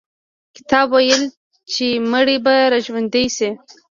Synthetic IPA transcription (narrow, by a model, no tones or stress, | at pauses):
kɪ̥t̪ɑbwajəl | t͡ʃeməɽibaɾaʒwand̪ejsi